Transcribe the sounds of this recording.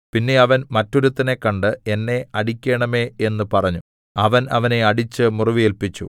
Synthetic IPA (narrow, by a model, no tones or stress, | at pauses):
pinːe̞ɐʋɐnmɐtːo̞ɾut̪ːɐne̞kːɐɳɖɨe̞nːe̞ɐɽikʲːeːɳɐme̞e̞nːɨpɐrɐɲːu | ɐʋɐnɐ̰ʋɐne̞ɐɽit͡ɕːɨmuriʋielpit͡ɕːṵ